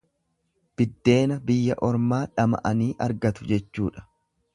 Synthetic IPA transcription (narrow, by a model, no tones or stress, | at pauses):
b̥ɪd̪ːe̞ːnɐbɪjːɐʔɔɾmaːᶑɐmɐ̰ʔɐniːʔɐɾɡɐt̪ʊd͡ʒɛt͡ʃːuːᶑɐ̥